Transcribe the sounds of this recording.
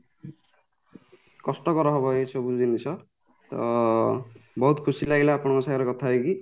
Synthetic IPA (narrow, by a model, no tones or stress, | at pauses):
kɔsʈɔkɔɾɔɦɔbʱʌjesʰɔbud͡zinet͡sʰʌ | t̪ʌ̰ | bɔɦut̪kʰusilaɡilaːpɔɽ̃ɔkɔsajaɾekɔt̪ʰaɦeki